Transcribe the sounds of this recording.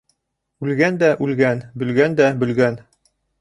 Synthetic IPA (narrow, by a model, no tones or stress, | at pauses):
ʉlɡænd̪æʔʉlɡænbɵ̆lɡænd̪æbɵ̆lɡæn